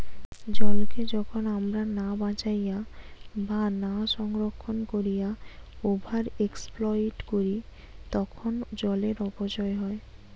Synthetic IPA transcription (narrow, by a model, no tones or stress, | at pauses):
d͡ʑɔlked͡ʑɔkʰonamɾanabãt͡ɕajabanaʃɔŋɾokʰːonkoɾijaobʱaɾeksplɔiʈkoɾi | t̪ɔkʰond͡ʑɔleɾɔpod͡ʑɔeɦɔe